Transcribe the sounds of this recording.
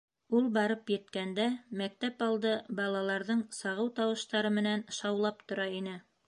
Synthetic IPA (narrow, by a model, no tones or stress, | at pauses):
ulˠbɑɾɤpjɘ̆t̪kænd̪æmæk̚t̪æpɑlˠd̪ɤbɑlˠɑlˠɑɾðɤɴsɑʁɤwt̪ɑwɤ̆ʃt̪ɑɾɤmɘ̆nænʃɑwlˠɑpt̪ŏɾɑinɘ